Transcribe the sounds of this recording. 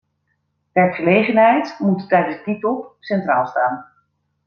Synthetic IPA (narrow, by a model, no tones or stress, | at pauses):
ʋɛɹkχəlejχənɦɛjtmuttɛjdənzditɔpsɛntraːlˠstaːn